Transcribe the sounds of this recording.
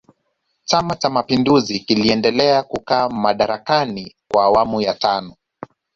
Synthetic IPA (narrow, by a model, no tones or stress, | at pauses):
t͡ʃamat͡ʃamapinduzikiliɛndɛlɛakukaːmaɗaɾakanikwaːwamujatanɔ